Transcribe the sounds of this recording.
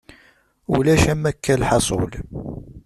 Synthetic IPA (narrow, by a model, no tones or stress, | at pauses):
ṵlæʃæmækːælħɑsˤo̰l